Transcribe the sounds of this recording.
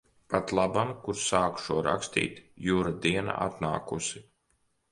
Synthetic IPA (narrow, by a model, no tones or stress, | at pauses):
pat̪lˠabamkuɾsaːkʃuɔɾa̰kst̪ḭːt̪juːɾad̪iɛna̰at̪na̰ːkusi